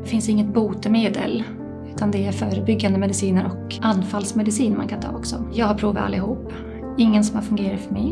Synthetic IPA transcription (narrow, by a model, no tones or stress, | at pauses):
fɪnsɪŋːət̪buːt̪əmeːd̪ə̰l | ʉ̟ːt̪ʰand̪ɛæɾfœːɾəbʏɡːand̪əmɛd̪ɪsiːnəɾʔɔk | ʔanːfalsmɛd̪ɪsiːnmankʰant̪ʰɑ̰ːɔksɔ̰jɑːɡhaɾpʰɾuːva̰a̰lːɪhuːpː | ɪŋːənsɔmhaɾfɵŋɡeːɾat̪fœɾmɛj